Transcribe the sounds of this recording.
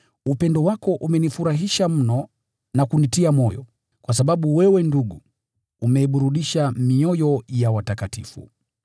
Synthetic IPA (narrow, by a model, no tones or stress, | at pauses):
upɛndɔwakɔʔumɛnifuɾaɦiʃam̩nɔ | nakunitiamɔjɔ̰ | kwas̬aɓaɓuwɛwɛnduɠu | umɛiɓuɾuɗiʃamiɔjɔjawatakatifṵ